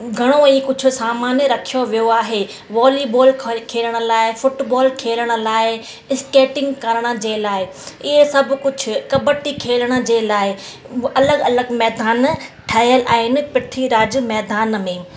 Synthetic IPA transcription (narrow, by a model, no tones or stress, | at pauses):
ɡʱɐɽ̃oiːkʊd͡ʑʱʊ̆saːmaːnjəɾɐkʰijoʋijoaːɦe | ʋɔːlibɔːlʰkʰeːləɽ̃ə̆laːɪfʊʈbɔːlkʰeːləɽ̃ə̆laːɪ | ɪskeːʈɪ̃ŋɡkɐɾəɽ̃ə̆d͡ʑeːlaːɪ | ɪɦesɐb̆ʱkʊd͡ʑʱʰʊ̆kɐbəʈikʰeːləɽ̃ə̆d͡ʑeːlaːɪ | ɐləɡɐləɡmɛːd̪aːnʈʰaːɪəlʔa̰ːɦɪnɪ̆pɪʈʰiɾaːd͡ʑmɛːd̪aːnmẽː